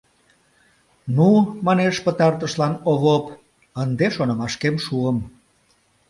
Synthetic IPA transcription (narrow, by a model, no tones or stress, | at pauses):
numɑneʃpət̪ɑrt̪əʃlɑnoβop | ənd̪eʃonə̆mɑʃkemʃuəm